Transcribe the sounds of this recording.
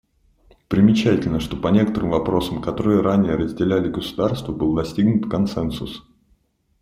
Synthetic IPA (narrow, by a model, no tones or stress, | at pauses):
pɾʲɪmʲɪt͡ɕætʲɪlʲnəʂt̪o̞pɐnʲe̞kə̥t̪əɾɨmvɐpɾo̞səmkɐt̪o̞ɾɨjəɾʔanʲɪjəɾəzʲdʲɪlʲælʲɪɡəsʊ̥d̪arst̪vəbɨlˠəd̪ɐsʲtʲiɡnʊt̪kɐnt̪sɛnsʊs